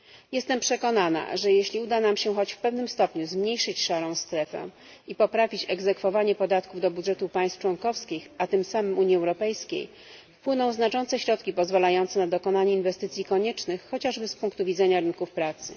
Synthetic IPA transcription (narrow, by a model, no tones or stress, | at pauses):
jɛst̪ɛmpʂɛkɔnana̰ʐɛjeɕlʲiud̪anamɕɛxɔd͡ʑfpɛvnɘmst̪ɔpɲuzmɲejʂɘt͡ɕʂaɾɔ̃w̃st̪ɾɛfɛ̰ | ipɔpɾavʲit͡ɕɛɡzɛkfɔvaɲɛpɔd̪at̪kuvd̪ɔbudʐɛt̪upaj̃st̪ft͡ʂwɔnkɔfskʲixat̪ɘmsamɘmuɲjiɛwɾɔpɛjskʲḛj | fpwɘnɔ̃w̃znat͡ʂɔnt̪sɛɕɾɔt̪kʲipɔzvalajɔnt̪sɛnad̪ɔkɔnaɲɛinvɛst̪ɘt̪sʲjikɔɲɛt͡ʂnɘxːɔt͡ɕaʐbɘspuŋkt̪uvʲid̪zɛɲaɾɘnkufpɾat̪sɘ̰